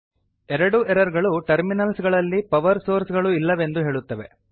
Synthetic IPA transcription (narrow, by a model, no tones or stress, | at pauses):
ɛɾɐɽuʔɛɾɐɾɡɐɭuʈɐɾminɐlsɡɐɭɐlːipɐʋɐɾsoːɾsɡɐɭuilːɐʋe̞nd̪uɦe̞ːɭut̪ːɐʋe̞̰